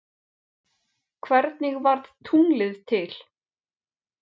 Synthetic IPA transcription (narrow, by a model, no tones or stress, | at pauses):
kʰvɛɾt̪̚nɪɣvaɾðt̪ʰuŋlɪðt̪ʰɪl̥